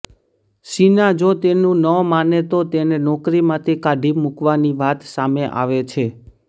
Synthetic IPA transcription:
ʃinad͡ʒot̪enũnəmanet̪ot̪enenɔkɾimãt̪ʰikaɖʱimukʋaniʋat̪sameʔa̰ʋet͡ʃʰe

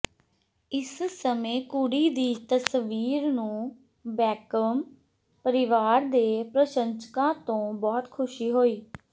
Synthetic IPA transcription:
ɪssəmẽːkuɽiːd̪iːt̪əsʋiːɾnũː | bɛːkəm | pəɾɪʋaːɾd̪eːpɾəʃənskãːt̪õːbɔːt̪kʰʊʃiːɦoːiː

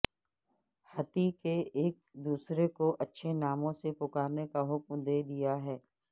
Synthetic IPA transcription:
hɐt̪ikeeːk̚d̪uːsɾekoʔɐtːʃʰenaːmõsepʊkaːɾnekaɦʊkmd̪eːd̪ijaɦɛː

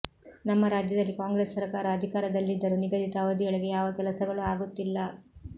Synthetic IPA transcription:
nɐmːɐɾaːd͡ʒjɐd̪ɐlːikaːŋɡɾeːsːɐɾɐkaːɾɐːd̪ʱikaːɾɐd̪ɐlːid̪ːɐɾuniɡɐd̪ʱit̪ɐːʋɐd̪iɡɐɭiɡe̞jaːʋɐkɛlɐsɐɡɐɭuaːɡut̪ːilːɐ

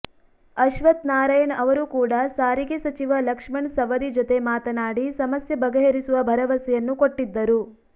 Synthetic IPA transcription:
ɐʃʋɐt̪naːɾɐjɐnɐʋɐɾukuːɽɐsaːɾiɡesɐt͡ʃiʋɐlɐkʂmɐɳsɐʋɐd̪id͡ʒot̪e̞maːt̪ɐnaːɽisɐmɐsjɐbɐɡɐɦeɾisuʋɐbʱɐɾɐʋɐsɛjɐnːukoʈːid̪ːɐɾu

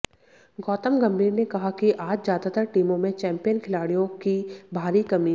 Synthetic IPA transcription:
ɡɔːt̪əmɡɐ̃mbʱiːɾnekɐɦakiʔaːd͡ʒzjaːd̪at̪əɾʈiːmõmẽt͡ʃɛ̃ːmpijənkʰɪlaːɽijõkibʱaːɾikɐmi

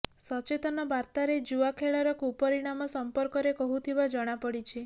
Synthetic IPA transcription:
sɔt͡ʃet̪ɔnɔbaɾt̪aɾed͡ʒuʋakʰeɭɔɾɔkupɔɾiɽ̃amɔsɔmpɔɾkɔɾekɔɦut̪ʰibad͡ʒɔɽ̃apɔɽit͡ʃʰi

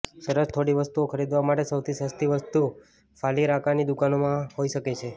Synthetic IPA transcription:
səɾəst̪ʰoɽiʋəst̪uokʰəɾid̪ʋamaʈesəwt̪ʰisəst̪ʰiʋəst̪u | fʰaliɾakʰanid̪ukanomãɦoiʃəket͡ʃʰe

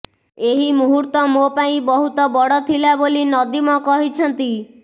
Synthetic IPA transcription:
eɦimuɦuɾt̪ɔmopaĩbɔɦut̪ɔbɔɽɔt̪ʰilabolinɔd̪imɔkɔɦit͡ʃʰɔnt̪i

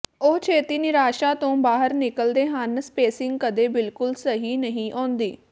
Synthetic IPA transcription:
oːt͡ʃʰeːt̪iːnɪɾaːʃaːt̪õːbaːɦəɾnɪkəld̪eːɦanspeːsɪ̃ŋɡkəd̪eːbɪlkʊlsəɦiːnəɦĩːʔɔːnd̪iː

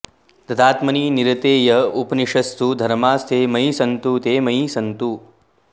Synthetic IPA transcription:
t̪ɐd̪aːt̪mɐniːniɾɐt̪eːjɐupniʂɐst̪ud̪ʱɐɾmaːst̪ʰeːmɐjisɐnt̪ut̪eːmɐisɐnt̪u

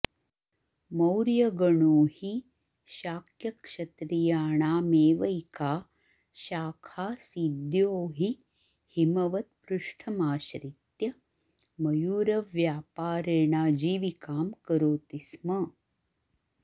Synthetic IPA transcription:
mɐwɾjɐɡɐɳuːhi | ʃaːkʰjɐkʂɐt̪ɾijaːɳaːmeːʋɐjkaː | ʃaːkʰaːsid̪joːɦi | himɐʋɐt̪̚pɾuʂʈʰɐmaːʃɾit̪jɐ | mɐjuːɾɐʋjaːpaːɾeːɳaːd͡ʒiːʋikaːmkɐɾoːt̪ismɐ

